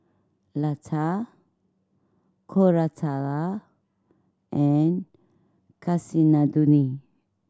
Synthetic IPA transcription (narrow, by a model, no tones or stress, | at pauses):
lat͡sʰa | kʰoɾat͡sʰala | ɛn | kʰasinad̪uni